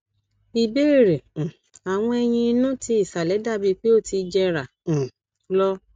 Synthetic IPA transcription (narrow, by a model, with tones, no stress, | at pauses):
i˧be˦˨ɾẽ˨ | a˨w̃ɔ̃˧ɛ˧j̃ĩ˧i˧nũ˦ti˧i˦˨sa˨lɛ˨˦da˦˨bi˧k͡pe˦o˦˨ti˧d͡ʒɛ˧ɾã˨ | lɔ˦